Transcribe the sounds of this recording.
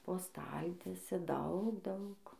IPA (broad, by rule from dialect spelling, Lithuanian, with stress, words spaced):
poː ˈstɐlʲtʲiɛsʲɛ ˈdɐʊk ˈdɐʊk